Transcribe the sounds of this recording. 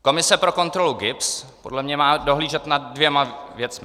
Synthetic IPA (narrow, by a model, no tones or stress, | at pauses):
ko̞mɪsɛpɾo̞ko̞nt̪ɾo̞luɡɪps | po̞dlɛmɲɛmaːdo̞ɦliːʒɛt̪naddvjɛmavjɛt͡smɪ